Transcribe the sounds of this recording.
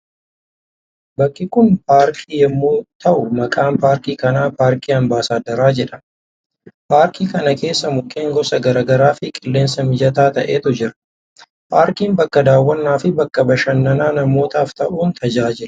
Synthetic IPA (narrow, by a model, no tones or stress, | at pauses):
bɐkʼːɪkʊnpaːɾkʰiːjɛmːoːt̪ʰɐʔʊmɐkʼaːmpaːɾkiːkɐnaːpaːɾkiːɐmbaːsaːd̪ɐɾaːd͡ʒɛᶑɐ | paːɾkʰiːkɐnɐke̞ːsːɐmʊkʼːeːŋɡɔsɐɡɐɾaːɡɐɾaːfɪkʼɪlːe̞ːnsɐmɪd͡ʒɐt̪aːt̪ɐʔeːt̪ʊd͡ʒɪɾɐ̥ | paːɾkiːmbɐkːɐd̪aːwːɐnːaːfɪbɐkːɐbɐʃɐnːɐnaːnɐmo̞ːt̪aːft̪ɐʔuːnt̪ʰɐd͡ʒaːd͡ʒɪɾɐ̥